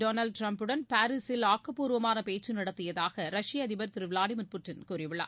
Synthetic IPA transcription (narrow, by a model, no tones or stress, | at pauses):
ɖoːnɐɭɖ̚ʈɾɐmpɯɽɐnpaːɾɪsɪlaːkːɐpːuːɾʋɐmaːnɐpeːt͡ʃːɯnɪɽɐt̪ːɪjɐðaːɣɐɾɐʂɪjɐɐðɪbɐɾt̪ɪɾɯʋɪlaːɽimʊrpʊʈːɪnkuːɾɪʋɪɭːa̰ː